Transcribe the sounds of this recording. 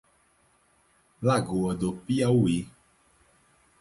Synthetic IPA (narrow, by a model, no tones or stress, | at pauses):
laɡoəd̪opiawui